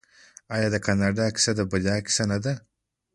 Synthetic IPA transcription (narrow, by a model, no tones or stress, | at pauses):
ajɑːd̪akanaɖaki̥sad̪abalaki̥sanad̪a